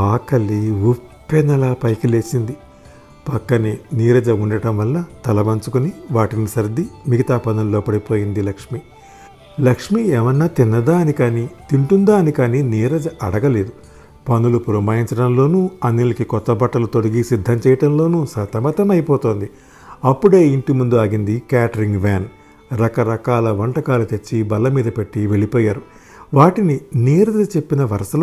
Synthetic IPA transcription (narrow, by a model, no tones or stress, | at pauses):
aːkɐlːiupːenːɐlaːpɐjkile̞ːsind̪i | pɐkːɐniniːɾɐd͡ʒɐuɳɖɐʈɐmʋɐlːɐt̪ɐlɐʋɐnt͡ʃukuniʋaːʈinisɐɾd̪ːimiɡit̪aːpɐnulːoːpɐɽipo̞ːjind̪ilɐkʂmi | lɐkʂmiɛːʋɐnːaːt̪inːɐd̪aːɐnikaːnit̪iɳʈund̪aːnikaːniniːɾɐd͡ʒɐʔɐɽɐɡɐle̞ːd̪u | pɐnulupuɾɐmaːjiɲt͡ʃɐɽɐmlo̞ːnuːɐnːilɐkikɔt̪ːɐbɐʈːɐlut̪o̞ɽɐɡisid̪ʱːɐmt͡ʃɛːjɐʈɐmlo̞ːnusɐt̪ɐmɐt̪ɐmɐjipɔːt̪o̞ːnd̪i | ɐpːuɽe̞ːiɳʈimund̪uaːɡind̪ikaːʈɐɾiŋɡʋaːn | ɾɐkɐɾɐkaːlɐʋɐɳʈɐkaːlut̪e̞t͡ʃːibɐlːɐmiːd̪ɐpe̞ʈːiʋe̞ɭipɔːjaːɾu | ʋaːʈininiːɾɐd̪ɐt͡ʃe̞pːinɐʋɐɾɐsɐl